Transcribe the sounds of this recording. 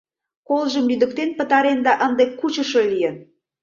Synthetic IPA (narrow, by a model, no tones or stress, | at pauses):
kolʒəmlyd̪ə̆k̚t̪enpə̆t̪ɑɾend̪ɑʔənd̪ekːut͡ɕə̆ʃolijən